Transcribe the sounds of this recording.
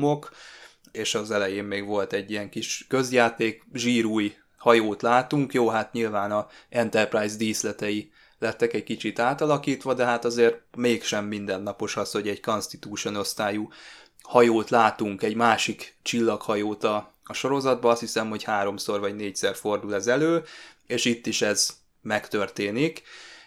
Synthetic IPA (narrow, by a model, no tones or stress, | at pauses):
ok | eːʃɒzɛlɛjeːmmeːɡʋo̞lt̪ɛɟːijɛŋkiʃkø̞zjaːt̪eːkʒiːɾuːj | hɒjoːt̪laːt̪uŋkjoːɦat̪ɲilvaːnɒɛnt̪ɛrpraːjzd̪iːslɛt̪ɛji | lɛt̪ːɛkɛɟkit͡ʃit̪aːt̪ɒlɒkiːt̪ʋɒd̪ɛɦat̪ɒzeːrt̪̚meːkʃɛmːind̪ɛnːɒpo̞ʃɒsho̞ɟɛɟkonst̪it̪uːʃo̞no̞st̪aːju | hɒjoːt̪laːt̪uŋkɛɟmaːʃikt͡ʃilːɒkhɒjoːt̪ɒː | ʃo̞ɾo̞zɒd̪̚bɒɒst̪hisɛmho̞chaːɾo̞mso̞rvɒɟneːcsɛrfo̞rd̪ulɛzɛløːeːʃit̪ːiʃɛz | mɛkt̪ø̞rt̪eːnik